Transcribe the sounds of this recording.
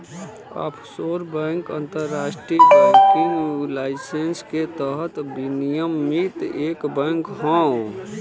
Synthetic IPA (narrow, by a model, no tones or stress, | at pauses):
a̰ːpʰsoːɾbɛ̃ŋkə̰̃nt̪əɾːaːsʈɾijkakiŋulaːɪsensket̪əɦət̪binijəmːit̪eːkbɛ̃ŋkɦɔ̃